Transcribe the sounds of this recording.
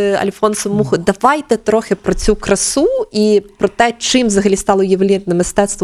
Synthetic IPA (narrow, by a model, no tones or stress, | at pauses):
ɐ̰lʲfɔnsʊmuɣʊd̪ɐʋajt̪ɛt̪ɾɔxʲɪpɾɔt͡sʲukɾɐsuipɾɔt̪ɛt͡ʂɨmzɐɣɐlʲist̪ɑlˠɐjɐwlʲɛnɐmɨst̪ɛt̪st̪ʋ